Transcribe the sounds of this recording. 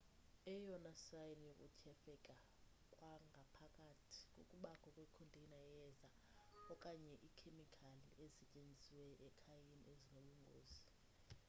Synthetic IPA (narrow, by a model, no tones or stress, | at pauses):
ɛjɔnasajnjokʼṵtʰɛfɛkʼa | kʼwaŋɡʱapʰakʼatʰi̥kʼo̰kʼuɓakʰɔkʼwekʰondʱʼinajɛza | ɔkʼaɲɛʔikʰemikʰaliesɛcʼend͡zʱiwɛʔɛkʰajiniezinoɓuŋɡʱo̰ːzi